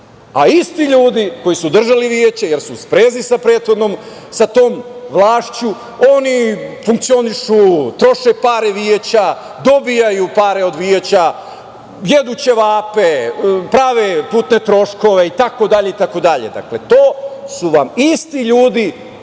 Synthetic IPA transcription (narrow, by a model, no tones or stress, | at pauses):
aist̪iʎuːd̪iko̞jisud̪r̩ʒaliʋije̞t͡ɕejeɾsuspɾeːzisapɾe̞ːt̪xo̞d̪no̞m | sat̪o̞ːmʋlˠaːʃt͡ɕu | o̞nifuŋk̚t̪sio̞niʃut̪ɾo̞ʃepaːɾeʋiet͡ɕa | d̪o̞bijajupaːɾe̞o̞d̪ʋiet͡ɕa | jed̪ut͡ɕe̞ʋaːpepɾaːʋepuːt̪ne̞t̪ɾo̞ʃko̞ʋe̞it̪ako̞d̪aʎe̞it̪ako̞d̪aʎḛd̪a̰kle̞t̪o̞ːsuʋamist̪iʎuːd̪i